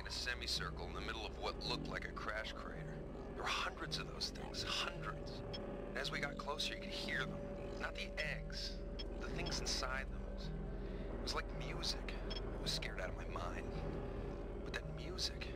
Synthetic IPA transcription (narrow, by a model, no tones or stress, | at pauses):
ɨ̃nɨsɛmisɜ˞kl̩ˠə̃nðɨmɪɾl̩ˠʌvwʌtˡlʊk̚tˡlaɪkɨkʰɹ̥æʃkʰɹ̥ḭḛɪɾə˞ | ðəwə˞hʌ̃ndɹɨdzʌvðo̰ʊz̥θɪ̰̃ŋz̥hʌ̃ndɹɨdz̥ | ɨ̃nɨzwiɡɑt̚kʰl̥oʊsə˞jɨkʰɨd̚hiɹðə̃m | nət̪̚ðiʔɛɡz̥ | ðɨθɪ̃ŋz̃n̩saɪd̪̚ðoʊz̥ | t̚wʌzlaɪk̚mjʉzɪk | wʌz̥skɛɹɾaʊɾʌvmaɪmãɪ̃nd̥ | w̥ʌt̪̚ðɨt̚mjʉzɪk